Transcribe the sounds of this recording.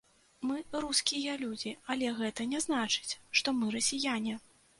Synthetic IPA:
mɨɾuskʲijɐlʲud͡zʲiɐlʲɛɣɛt̪ɐnʲɛzn̪at͡ʂɨ̥t͡sʲʂt̪ɔmɨɾɐsʲijanʲi

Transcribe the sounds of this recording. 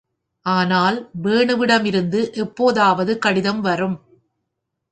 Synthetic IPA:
ʔaːnaːlʋeːɳɯʋɪɽɐmɪɾɯnd̪ɯʔɛpːoːðaːʋɐðɯkɐɽɪðɐmʋɐrɯm

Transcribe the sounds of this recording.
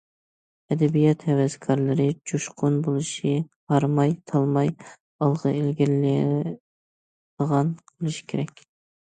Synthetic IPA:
ɛd̪ɛbijɛt̪hɛwɛzkʰɑɾlˠɨɾɪd͡ʒuʃqʰʊnbolˠɨʃɪhɑɾmɑjt̪ʰɑlˠmɑj | ɑlˠʁəɪlɡʲiɾlɪ | d̪əʁɑnqʰəlˠɨʃi̥kʲʰeɾɛkʲ

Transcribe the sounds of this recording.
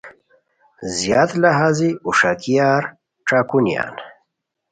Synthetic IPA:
zijaːt̪laɦaziuʂakijaːɾ | ʈ͡ʂaːkunja̰n

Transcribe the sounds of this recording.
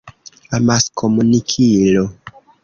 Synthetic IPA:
amaskʰomunikʰilo

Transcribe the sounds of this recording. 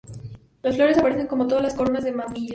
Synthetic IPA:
losflo̞ɾesapaɾe̞θe̞ŋko̞mot̪oðazlaskoɾonazðemaðiʎ

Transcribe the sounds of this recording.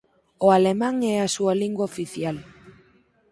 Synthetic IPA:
oalemãŋɛasualiŋɡwaofiθjal

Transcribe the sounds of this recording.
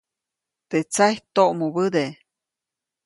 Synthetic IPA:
t̪et͡sajt̪oʔmoβɨd̪e

